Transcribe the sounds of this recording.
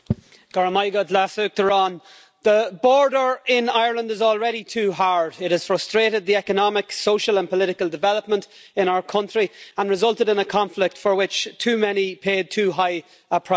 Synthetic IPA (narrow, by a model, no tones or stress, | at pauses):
ɡ̥əɹəmaɪɡədlasʉk̚ə˞ɔ̃n | ðəbɔɹdə˞ɪ̃naɪə˞lə̃ndɪzɔlˠɹɛɾitʰʉːɦaɹdɪtɨz̥fɹʌstɹ̥eɾɪd̪̚ðiɛkənɑmɪksoʊʃəlˠə̃npʰəlɪɾɪkəlˠdɪvɛləp̚mə̃ntɪ̃ñaʊə˞kʰʌ̃nt͡ʃɹ̥iə̃nɹɨzʌlˠtɪɾɪ̃nəkʰɑ̃ɱflɪk̚tfə˞wɪt͡ʃtʰʉːmɛnipʰeːd̚tʰʉːɦaɪ | əpʰɹ̥a